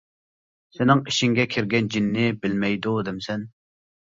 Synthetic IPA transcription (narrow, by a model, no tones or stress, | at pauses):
sɪnɪŋiʃiŋɡʲɛkʲʰɪɾɡʲɛnd͡ʒinːɪbɪlmɛjd̪ud̪ɪmsɛn